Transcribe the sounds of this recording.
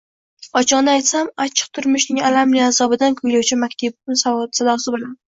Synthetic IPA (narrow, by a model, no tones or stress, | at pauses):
ɒt͡ʃʰɒqnɪajt̪samat͡ʃʰɨ̥q̚t̪ʰʊɾmɪʃnɪŋalamlɪazɒbɪd̪ankʰʊjlawt͡ʃʰɪmakʲt̪ʰab̪̚ɪsaɒd̪sad̪ɒsɪbolan